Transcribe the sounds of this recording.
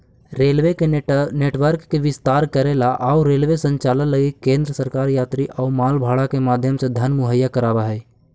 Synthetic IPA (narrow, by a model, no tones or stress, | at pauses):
ɾeːlʋekeneːʈwəɾkːeʋɪst̪aːɾkəɾeːlaʔaːuɾeːlʋesə̃ɲt͡ʃaːlənləɡikẽːnd̪ɾəsəɾkaːɾjaːt̪ɾiʔɔːmaːlbʱaːɽakemaːd̪ʱjəmsed̪ʱɐnmʊɦəjːakəɾaːʋaɦɛː